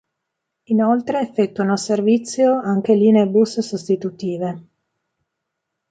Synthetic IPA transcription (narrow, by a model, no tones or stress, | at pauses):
inolt̪ɾeːfːet̪ːuanoservit̪sːjoaŋk̟eliːneebussost̪it̪ut̪iːve